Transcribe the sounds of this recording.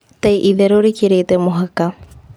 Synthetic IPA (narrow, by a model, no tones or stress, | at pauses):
t̪ejʔiðeɾoɾikiɾejt̪emoɦaka